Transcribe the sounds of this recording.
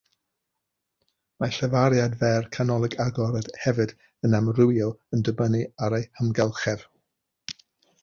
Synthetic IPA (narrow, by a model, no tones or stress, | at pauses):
maɬəvaɾjadvɛrkʰanɔlˠɪɡaɡɔɾɛd̥hɛvɨd | ənamrʊwjɔlˠəndəbəniaɾejhəmɡɛlˠχɛv̥